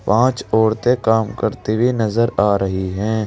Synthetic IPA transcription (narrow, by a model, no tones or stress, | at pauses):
pãːt͡ʃɔːɾt̪ekaːmkəɾt̪ebʱinɐzəɾaːɾɐɦiɦɛ̃ː